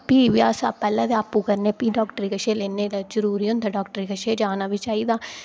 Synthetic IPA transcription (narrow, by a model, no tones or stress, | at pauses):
piːʋɪjaːsaːpɛːlãːd̪eaːpũːkəɾneːpiːɖɔːkʈɾiːkəʃeːleːneːlad͡ʒəɾuːɾiːõnt̪aɖɔːkʈəɾiːkəʃeːd͡ʒaːnaːʋɪt͡ʃaːiːd̪aː